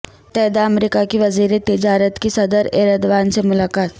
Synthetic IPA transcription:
p̪ɛːd̪aɐmɾikakiʋɐziːɾet̪ɪd͡ʒaːɾət̪kisɐd̪əɾḛːɾəd̪ʋaːnsemʊlaːkaːt̪

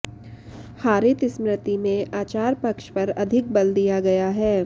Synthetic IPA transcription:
haːɾɪt̪ɪsmɾɪt̪imẽaːt͡ʃaːɾpɐkʃpɐɾɐd̪ʱɪk̚bɐld̪ijaɡɐjaɦɛː

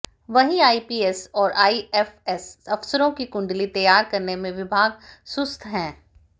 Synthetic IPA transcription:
ʋɐɦĩaːipiːɛsɔːɾʔaːiɛfɛsɐfsəɾõkikʊ̃ɳɖlit̪ɐjaːɾkɐɾnemẽʋɪbʱaːɡsʊst̪ʰɦɛ̃ː

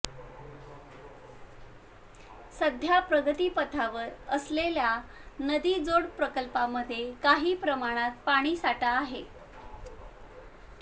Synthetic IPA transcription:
səd̪ʱjapɾəɡət̪iːpət̪ʰaʋəɾəslelja | nəd̪iːd͡zoɽpɾəkəlpamːəd̪ʱːjekaɦiːpɾəmaɽ̃at̪̚paɽ̃iːsaʈaːɦe

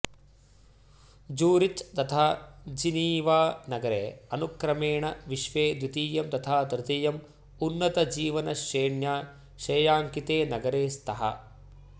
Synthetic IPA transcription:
d͡ʒuːɾit͡ʃt̪ɐt̪ʰaːd͡ʒiniːʋaːnɐɡɐɾḛːɐnukɾɐmeːɳɐʋiʃʋeːd̪ʋit̪iːjɐmt̪ɐt̪ʰaːd̪ɾɪt̪ijɐm | unːɐt̪ɐd͡ʒiːʋɐnɐʃeːɳjaː | ʃeːjaːŋkit̪eːnɐɡɐɾeːst̪ʰɐɦɐ̰

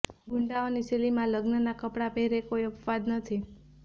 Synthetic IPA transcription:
ɡʱuɳɖaoniselimãləɡnənakəpɽabʱeɾekojəpʋad̪nət̪ʰi

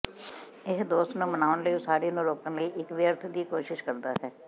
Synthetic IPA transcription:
ɪɦd̪oːst̪nũːmənaːʋənləisaːɽiːnũːloːkənləiːʔɪkʋɪjəɾt̪ʰd̪iːkoːʃɪʃkəɾd̪aːɦɛː

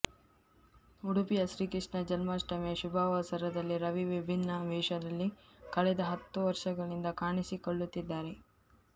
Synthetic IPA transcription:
uɽupijɐʃɾiːkiʂɳɐd͡ʒɐlmaːsʈɐmɛjɐʃubʱaːʋaːsɐɾɐd̪ɐlːiɾɐʋiʋibʱinːɐʋɛːʃɐd̪ɐlːikɐɭɛd̪ɐɦɐt̪ːuʋɐɾʂɐɡɐɭind̪ɐkaːɳisikoɭːut̪ːid̪ːaːɾe̞

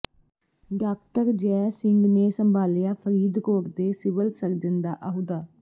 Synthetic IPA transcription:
ɖaːkʈəɾd͡ʒɛːsɪŋɡneːsəmbʱaːljaːpʰəɾiːd̪koːɾd̪eːsɪʋəlsəɾd͡ʒənd̪aːʔəɦud̪aː

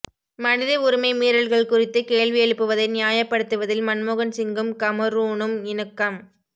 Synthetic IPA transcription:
mɐnɪðɐʊɾɯmɐɪmiːɾɐɭɣɐɭkʊrɪt̪ːɯkeːɭʋɪjɛɻɯpːɯʋɐðɐɪnɪjaːjɐpːɐɽɯt̪ːɯʋɐðɪlmɐnmoɣɐnsɪŋɡɯmkɐmɐɾuːɳɯmɪnɯkːɐm

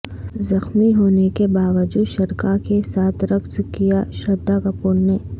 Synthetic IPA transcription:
zɐxmiɦoːnekebaːʋəd͡ʒuːd̪ʃɐɾkakesaːt̪ʰɾɐkʰskijaʃɾɐd̪ːakɐpuːɾneː

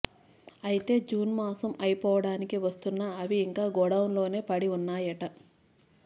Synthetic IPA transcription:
ɐjit̪e̞ːd͡ʒuːnmaːsɐmɐjipɔːʋɐɽaːnikiʋɐst̪unːaːɐʋiːŋkaːɡɔɽɐwunlo̞ːne̞ːpɐɽiunːaːjɐʈɐ

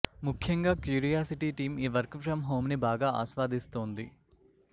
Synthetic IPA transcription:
mukʰjɐŋɡaːkjuːɾijaːsiʈiːʈiːmiːʋɐɾkfɾɐmɦoːmnibaːɡaːa̰ːʃʋaːd̪ist̪oːnd̪i

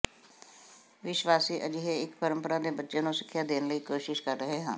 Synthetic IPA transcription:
ʋɪʃʋaːsiːʔəd͡ʒɪɦeːɪkpəɾə̃mpəɾãːd̪eːbətːʃeːnũːsɪ̥kʰːjaːd̪eːnləiːkoːʃɪʃkəɾːəɦeːɦə̰̃ː

